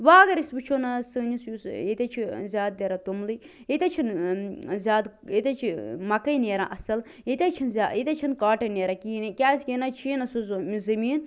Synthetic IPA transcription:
ʋaːɡɐɾisbɨt͡ʃʰonɐsɨːnʲisjusjet̪ʲat͡ʃʰizʲaːd̪̚d̪ʲeɾat̪umlɨ | et̪ʲat͡ʃʰin | zʲaːd̪ | et̪ʲat͡ʃʰimɐkɐjneːɾã̰ʔɐsɐl | et̪ʲat͡ʃʰinzʲaet̪ʲat͡ʃʰinkaːʈɐneːɾakiːnɐkʲaːsʲkenat͡ʃʰiːnɐsuzmizɐmiːn

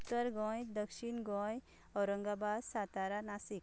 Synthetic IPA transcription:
ut̪ːəɾɡɔ̃jd̪əkʃinɡɔ̃j | ɔɾəŋɡabadsat̪aɾanasik

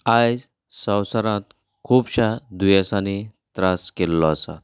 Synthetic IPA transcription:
ajd͡z | sə̃wsəɾãt̪ | kʰuːbɕad̪ujəsãnit̪ɾaskelːɔasa̰t̪

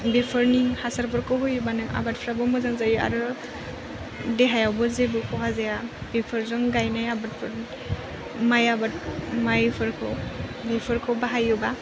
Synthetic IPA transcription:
bepʰɔɾnihasaɾpʰɔɾkɔɦɔjɔbanajʔa̰bat̚pʰɾabɔmɔzaŋzaja̰ɾu | dɛɦajawbɔzebɔkɔɦazajabepʰɔɾzɔŋɡajnajabat̚pʰɔɾ | majabat̚majpʰɔɾkʰɔbipʰɔɾkʰɔwbaɦajɔba

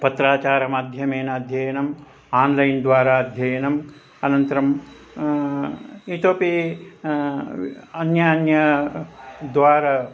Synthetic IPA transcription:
pɐt̪ɾaːt͡ʃaːɾɐmaːd̪ʱjɐmeːnɐɐd̪ʱjɐjɐnɐm | aːnlɐjnd̪ʋaːɾaːɐd̪ʱjɐjɐnɐm | ɐnɐnt̪ɐɾɐm | it̪oːpi | ɐnjaːnjɐ | d̪ʋaːɾɐ

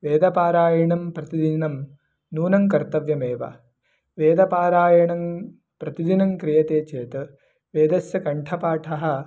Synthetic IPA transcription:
ʋeːd̪ɐpaːɾaːjɐɳɐmpɾɐt̪id̪inɐm | nuːnɐŋkɐɾt̪ɐʋjɐmeːʋɐ̰ | ʋeːd̪ɐpaːɾaːjɐɳɐŋ | pɾɐt̪id̪inɐŋkɾijɐt̪eːt͡ʃeːt̪ɨ | ʋeːd̪ɐsjɐkɐɳʈʰɐpaːʈʰɐɦɐ̆

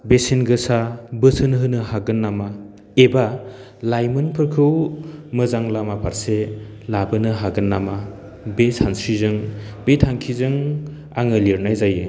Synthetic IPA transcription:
besinɡɯsabɯsɯnɦɯnɯɦaɡɯnːama | eba | lajmɯnpʰɯɾkʰɯwmɯzaŋlamapʰaɾse | labɯnɯɦaɡɯnːama | besansɾizɯŋbetʰaŋkʰizɯŋ | a̰ŋɯliɾnajzajɯ

